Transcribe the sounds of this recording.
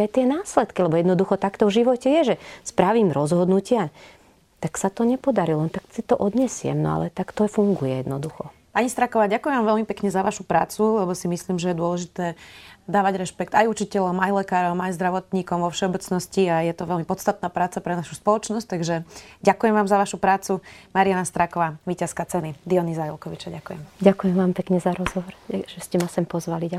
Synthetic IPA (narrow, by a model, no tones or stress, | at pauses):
ajt̪ɪɛnaːslɛt̪kilɛbɔjɛd̪nɔd̪uxɔt̪akt̪ɔvʒiʋɔcɛjɛʒɛspɾaʋiːmɾɔzɦɔd̪nucɪa | t̪aksat̪ɔɲɛpɔd̪aɾilɔnt̪aksit̪ɔʔɔd̪ɲɛsɪɛ̰mnɔ̰a̰lɛt̪akt̪ɔfuŋɡujɛ̰jɛd̪nɔd̪uxɔ | paɲist̪ɾakɔʋaːɟakujɛmʋaːmʋɛlmipɛkɲɛzaʋaʃupɾa̰ːt͡sulɛbɔsimisliːmʒɛjɛd̪ʊɔlɛʒit̪ɛːd̪aːʋaɟɾɛʃpɛkt̪ajut͡ʃicɛʎɔmajlɛkaːɾɔmajzd̪ɾaʋɔt̪ɲiːkɔmʋɔfʃɛɔbɛt͡snɔsciajɛt̪ɔʋɛlmipɔt̪st̪at̪̚naːpɾaːt͡sapɾɛnaʃuspɔlɔt͡ʃnɔsc̚t̪aɡʒɛɟakujɛmʋaːmzaʋaʃupɾaːt͡sumaɾianast̪ɾakɔʋaːʋiːcaskat͡sɛnid̪iɔnizajɛlkɔʋit͡ʃaɟakujɛmɟakujɛmʋaːmpɛkɲɛzaɾɔzɦɔʋɔɾʒ̥ɛscɛmasɛmpɔzʋalia